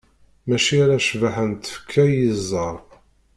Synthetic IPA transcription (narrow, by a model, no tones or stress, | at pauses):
mæʃiaɾaʃvaħənt̪ə̥fkʰːæjizˤːɑɾˤ